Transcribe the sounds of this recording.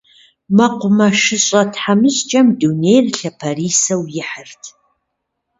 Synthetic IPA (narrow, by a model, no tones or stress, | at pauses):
mɐqʷʊmɐʃɨɕʼɐtʰħamɨɕt͡ʃʼɐmdunejrɬɐpʰɐriːsɐwjɪħərtʰ